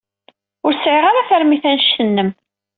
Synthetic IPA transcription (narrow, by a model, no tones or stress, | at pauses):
ʊɾsʕiʁaɾaθəɾmiθænʃənːəm